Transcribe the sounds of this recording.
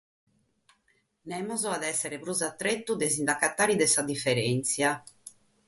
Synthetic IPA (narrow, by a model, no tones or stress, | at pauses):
nɛmɔzɔaðɛsːɛɾepɾuzat̪ːɾet̪ːud̪ezind̪akat̪ːaːɾid̪ɛsad̪ifːɛɾɛnt̪sja